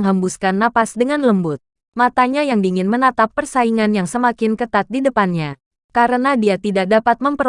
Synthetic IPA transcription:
ŋɦambuskanːapasdəŋanləmbʊt̪̚ | mat̪aɲajaŋdiŋɪnmənat̪apːərsaiŋanjaŋsəmakɪnkət̪at̪̚didəpanɲa | kaɾənadiat̪idak̚dapat̪̚məmpəɾ

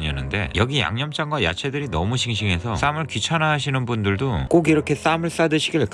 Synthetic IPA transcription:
ɲʌnːɯnde̞̰jʌɡija̰ŋɲʌmt͡ɕ͈ʰaŋɡwaja̰t͡ɕʰe̞dɯɾinʌmuɕʰiŋɕ̬ʰiŋɦe̞sʰʌs͈amɯɭkit͡ɕʰanaɦːɕ̬ʰinɯnbundɯɭdok͈oɡiɾʌkʰe̞s͈amɯɭs͈adɯɕʰiɡiɭk

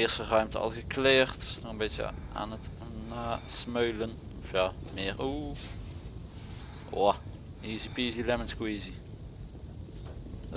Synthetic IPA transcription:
ɪːrstərœɥmtəɑ̰lˠɣəkleːrtsnɔɣənbɪtjə̰ʔa̰ːnət | naːsmœɥlən | ɔfjaːmɪːrʔuː | wa | iːzipiːzilɛmənskoiːzi

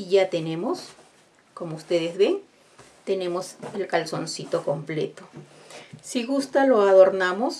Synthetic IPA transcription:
iʝat̪e̞ne̞mo̞s | ko̞moust̪e̞ðezβe̞n | t̪e̞ne̞mo̞selkalso̞nsit̪o̞ko̞mplḛt̪o | siɣust̪alo̞aðo̞ɾnamo̞s

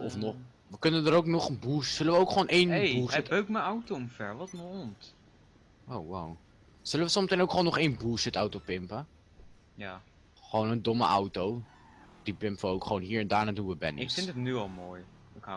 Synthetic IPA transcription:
ɔfnɔχ | ʋəkɵnəndəɾowknɔχənbuːsz̥ɵləʋəowkχoːnʔejnbusəəkməawtomfɛɹʋɑtnəɔnt | ʔowːa̰w | z̥ɵləʋəsɔmətɛjnowkχoːnːɔχejnbuːsətawtowpɪmpə | ja | χʋownəndɔmə̰ʔawtow | d̥ipɪmpʋəowkχʋoːnɦiːɹɛndaːɹnaːdunʋəbɛ̰nɪɪɪntətnyɑlˠmoːj | ɪka

